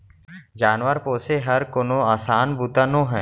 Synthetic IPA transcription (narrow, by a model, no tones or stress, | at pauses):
d͡ʒaːnʋəɾpoːseɦɐɾkonõaːsaːnbuːt̪anõɦɛ̃ː